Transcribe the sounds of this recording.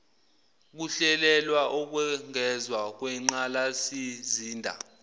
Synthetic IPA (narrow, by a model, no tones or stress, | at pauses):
k̬uɬɛlɛlwaʔok̬wɛŋɛzwak̬wɛŋ͡ǀalasiziːndʱa̰